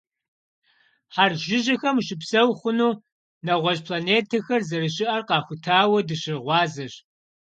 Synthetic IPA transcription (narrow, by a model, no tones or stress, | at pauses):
ħarʒɪʑɐxɐmʃɪpsɐwχʷʊnuː | nɐʁʷɔɕpʰlaneːtʰɐxɐrzɐɾɨɕɪʔɐrqɑːxʷʊtʰaːwɐdɨɕɪrʁʷɑːzɐɕ